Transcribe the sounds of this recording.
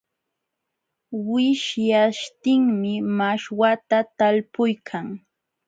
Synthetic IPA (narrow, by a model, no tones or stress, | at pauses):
wɪʃjaʃt̪ɪŋmɪmaʃwat̪at̪alpʊjkʰaŋ